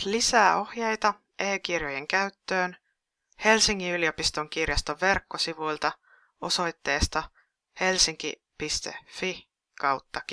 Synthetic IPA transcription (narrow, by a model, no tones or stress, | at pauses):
lisæːo̞hjejt̪ɑ | ʔeːkirjoje̞ŋkæyt̪ːø̞ːn | he̞lsiŋːiylio̞pist̪o̞ŋk̟irjɑst̪o̞ʋːe̞rkːo̞siʋujlt̪ɑ | o̞so̞jt̪ːe̞ːst̪ɑ | he̞lsiŋk̟ḭ | pist̪ḛfi | kɑwt̪ːɑk